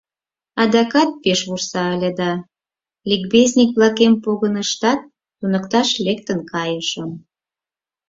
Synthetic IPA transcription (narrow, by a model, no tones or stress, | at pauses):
ɑd̪ɑkɑt̪̚peʃβursɑəlʲəd̪ɑ | lik̚bezʲnʲik̚βlɑkempoɣənəʃt̪ɑt̪̚ːunəkt̪ɑʃlekt̪ənkɑjəʃəm